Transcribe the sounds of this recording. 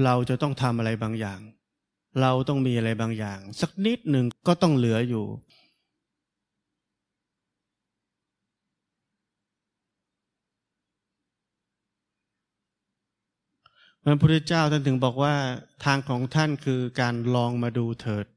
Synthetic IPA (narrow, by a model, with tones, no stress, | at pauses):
ɾa˧wt͡ɕa˨˩t̪ɔ˥˩ŋt̪ʰa˧mʔa˧ɾa˧jbaː˧ŋjaː˨˩ŋ | ɾa˧wt̪ɔ˥˩ŋmiː˧ʔa˧ɾa˧jbaː˧ŋjaː˨˩ŋsa˨˩k̚ni˦˥t̪̚nɯ˨˩ŋkɔː˥˩t̪ɔ˥˩ŋlɯ˩˦ɐjuː˨˩ | wa˧npʰu˥˩t̪ʰa˥˩t͡ɕaː˥˩wt̪ʰa˥˩nt̪ʰɯ˩˦ŋbɔː˨˩k̚waː˥˩t̪ʰaː˧ŋkʰɔː˩˦ŋt̪ʰa˥˩nkʰɯː˧kaː˧nlɔː˧ŋmaː˧duː˧t̪ʰɤː˨˩t̪̚